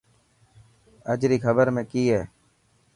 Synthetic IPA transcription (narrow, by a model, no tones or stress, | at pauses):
əd͡ʒɾiːkʰəbəɾmẽːkiːɦɛː